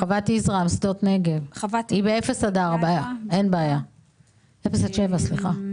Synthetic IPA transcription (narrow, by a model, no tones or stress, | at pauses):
χavat̪iizʁamsd̪ot̪neɡevvibeefesadaʁabaːjae̞nbeːja | efesaʃe̞vasliχa